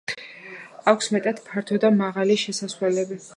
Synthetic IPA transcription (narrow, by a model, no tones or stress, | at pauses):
akʷʰsmɛt̪ʼad̪̥pʰaɾt̪ʰɔd̪amaʁaliʃɛsaswlɛlɛbi